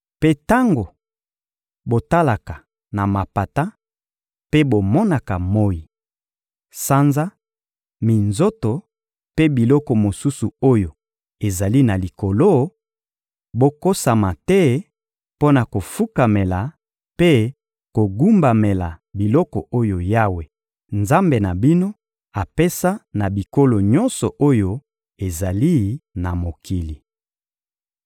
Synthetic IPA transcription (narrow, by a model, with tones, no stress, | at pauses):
pe˦ta˦ŋɡo˨ | bo˨ta˦la˨ka˨ | na˨ma˨pa˨ta˦ | pe˦bo˨mɔ˦na˨ka˨mo˦ji˨ | sa˦nza˦ | mi˨nzo˦to˨ | pe˦bi˨lɔ˦kɔ˨mo˨su˦su˨o˦jo˨ | e˨za˨li˦na˨li˨ko˨lo˦ | bo˦ko˦sa˨ma˨tɛ˦ | po˦na˨ko˨fu˦ka˨me˨la˨ | pe˦ | ko˨ɡu˦mba˨me˨la˨bi˨lɔ˦kɔ˨ʔo˦jo˨ja˦we˨ | nza˦mbe˨na˨bi˦no˦ | a˨pe˦sa˦na˨bi˨ko˦lo˨ɲɔ˦nsɔ˨ʔo˦jo˦˨ | e˨za˨li˦na˨mo˨kʰi˨li˨